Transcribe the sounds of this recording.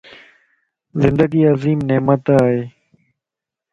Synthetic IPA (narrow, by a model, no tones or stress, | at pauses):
zɪ̃nd̪əɡiːaziːmneːmət̪aːɦeː